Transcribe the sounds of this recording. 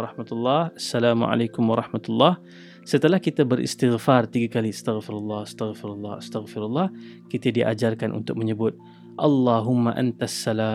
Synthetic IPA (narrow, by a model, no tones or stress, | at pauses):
ɾˤɑhmat̪ulːɑhasːalaːmʕa̰lakʊmwɑɾˤɑhmat̪ulːɑh | sət̪əlahkit̪abəɾʔḭst̪ɪɣfart̪iɡakaliast̪aɣfɪɾalːɑhast̪aɣfɪɾalːɑast̪aɣfɪɾalːɑh | kit̪adiʔa̰d͡ʒarkanʔṵnt̪ʊk̚məɲəbʊt̪̚ | ʔɑlːɑɦʊmːaʔa̰nt̪asːalaː